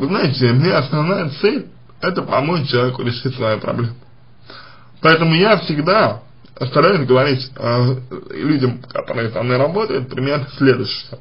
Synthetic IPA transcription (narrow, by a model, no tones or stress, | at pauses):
ɨznajɪtʲɪmnʲeɐsnɐvnajət̪sɛlʲ | ɛt̪əpɐmot͡ɕɪlˠɐvʲekʊɾʲɪʂɨtʲsɐjojpɾɐ̰blʲem | pɐɛt̪əmʊjafsʲɪɡd̪a | ɐst̪ɐɾajʊsʲɡəvɐɾʲitʲəlʲudʲəmkɐ̰t̪o̞ɾəɨɪsɐvnojɾɐbo̞t̪əjʊt̪̚pɾʲɪmʲernəsʲlʲed̪ʊɕɪə